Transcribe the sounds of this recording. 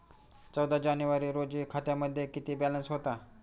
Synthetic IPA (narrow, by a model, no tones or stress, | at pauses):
t͡səwd̪ʱad͡ʑanjuʋaɾiːɾod͡ʑiːkʰat̪jaməd̪ʱːjekit̪iːbælənsɦot̪a